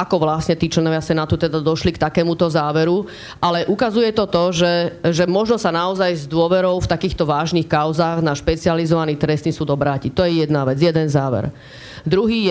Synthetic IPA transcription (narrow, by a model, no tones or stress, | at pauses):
akɔʋlasɲɛt̪iːt͡ʃlɛnɔʋasɛnat̪ut̪ɛd̪ad̪ɔʃlikt̪akɛːmut̪ɔzaːʋɛɾu | ʔalɛʔukazujɛt̪ɔt̪ɔʒɛʒɛmɔʒnɔsanaɔzajzd̪ʊɔʋɛɾɔʊft̪akiːxt̪ɔʋaːʒniːxkaʊzaːɣnaʃpɛt͡sializɔʋaniːt̪ɾɛst̪isuːd̪ɔbɾaːcit̪ɔjɛjɛd̪naʋɛd͡zjɛd̪ɛnzaːʋɛ̰ɾ | d̪ɾuɦiːjɛ